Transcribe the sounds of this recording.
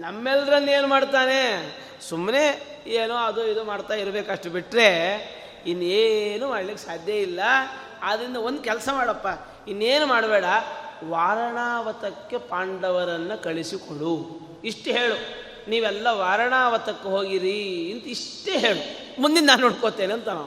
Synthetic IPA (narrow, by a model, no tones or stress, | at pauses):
nɐmːɛlɾɐnːe̞ːnumaːɽt̪aːne̞ | sumːne̞ | eːnuɐd̪uid̪umaːɽt̪aːiɾɐbeːkɐʂʈɐbiʈɾe̞ | inːuenumaːɽɭikːesaːd̪ʱjɐilːɐ | aːd̪ɾind̪ɐo̞nd̪ukɛlsɐmaːɽɐpːa | inːeːnumaːɽbɛːɽɐʋaːɾɐɳaːʋɐt̪ɐkːe̞paːɳɖɐʋɐɾɐnːɐkɐɭisikoɽu | iʂʈɦeːɭu | niːʋɛlːɐʋaːɾɐɳaːʋɐt̪ɐkːeɦoːɡiɾiːnt̪ɐiʂʈeːɦeːɭu | mund̪innaːnːoːɽkot̪ːeːniɐnt̪ɐna̰ːu